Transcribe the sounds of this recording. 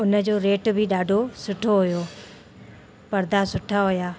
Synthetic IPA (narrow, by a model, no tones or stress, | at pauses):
ʊnə̆d͡ʑoːɾeːʈbʱɪɗaːɖʱosʊʈʰoɦʊjoː | pɐɾd̪ʱasʊʈʰaɦʊjaː